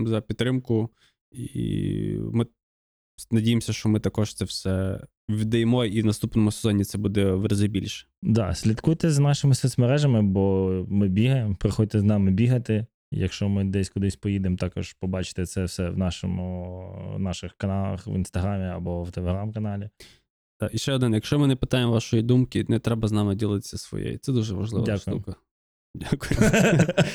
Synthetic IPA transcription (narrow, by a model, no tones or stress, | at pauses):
zɐpʲit̪ːɾɪmkʊ | ḭmɪ | nɐdʲijemsʲɐʃt͡ʃɔmɪt̪ɐkɔʃt̪sɛfsɛ | ʋʲid̪ɐjmɔinɐst̪upnɔmʊsezɔnʲit̪sɛbud̪ɛʋɾɐzɪbʲilʲʃɛ̥d̪ɑ̰sʲlʲɐt̪kujt̪ɛznɑʃɪmɪsʲɛsʲmɐɾɛʒɐmɪbɔmɪbʲiɦɐjempɾɪxɔd̚ʲt̪ɛznɑmɪbʲiɦɐt̪ɪ | jɐ̰kʃt͡ʃɔmɪd̪ɛsʲkʊd̪ɪsʲpɔjid̪emt̪ɑkɔʒ̥pɔbɑt͡ʃɪ̥t̪ɛt̪sɛwsɛwnɑʃɔmʊ | nɑʃɪxkɐnɑlˠɐ̰xʋḭnst̪ɐɦɾɑmʲiɐ̰bɔwt̪elˠeɦɾɑmkɐnɑlʲi | d̪̥ɑiʃt͡ʃɛɔd̪ɪnjɐkʃt͡ʃɔmɪnɛpɪt̪ɑjemʋɑʃɔjid̪umkɪnɛt̪ɾɛbɐznɑmɪdʲilˠɪt̪ɪ̥sʲːɐsʋɔ̰jḛjḭt̪sɛd̪uʒɛʋɐ̰ʒlɪ̰ʋɐdʲaakʃdʊjṵmkɐ | dʲakʊjʊ